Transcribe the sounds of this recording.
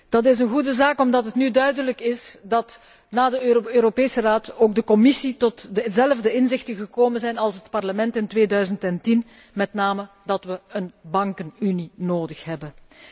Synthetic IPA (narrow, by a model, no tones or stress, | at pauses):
d̥ɑt̬ɪsənɣudəzaːkɔmdɑtɦətnydœɥdələkɪsdɑt | naːdəøːɾopeːsəraːtoːɡ̚dəkɔmɪsitɔtəzɛləvdəɪnzɪxtəɣəkoːmənzɛjnɑlˠsɦətpɑrləmɛntɪntʋeːdœɥzəntɛntin | mɛtnaːmə | dɑtʋəənbɑŋkənyninoːdəxɦɛbən